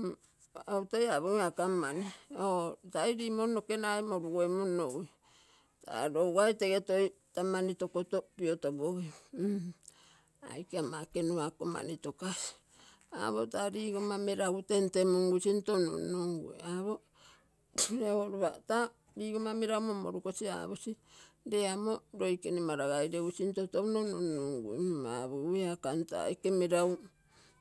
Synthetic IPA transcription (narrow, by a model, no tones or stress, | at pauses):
autajaβoŋakamːaniotajɾimonokenajmoɾuoemonowi | tʰa̰ɾowɡajteɡetojtamanitokotopiotobohi | a̰jkamakenuakoma̰nitokasi̥ | a̰βo̞taɾiːɡomameɾawte̞nte̞moŋɡusintono̰noŋɡṵḛaβo | eoɾuβata | ɾiːɡomameɾawmomo̰ɾukosia̰βusi | ɾeamo̞ɾo̞jkenimaɾaɡajɾeusintotonononoŋɡṵeaβuueakanta̰jkemeɾaw